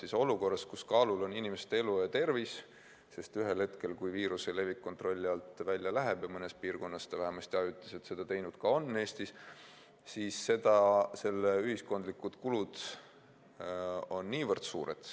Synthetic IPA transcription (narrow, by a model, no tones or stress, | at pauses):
siso̞luko̞rːɑskuskɑːlulo̞ninʲimest̪eelujɑt̪e̞rvis | se̞st̪yɦelhe̞t̪ke̞lkujviːɾusele̞vikːo̞nt̪ro̞lʲːiɑlt̪vælʲjɑlæɦeb̥jɑmɤne̞spiːrko̞nːɑse̥t̪ɑvæɦemɑst̪jɑyt̪ˑːɑ̥se̞t̪se̞d̪̥ɑt̪e̞jnud̪̥kɑo̞nːe̞ːst̪is | sisːe̞d̪̥ɑse̞lːeyɦisko̞nd̪likːud̪̥kulud̪̥ | o̞nːiːvɤrd̪̥suːɾḛt̪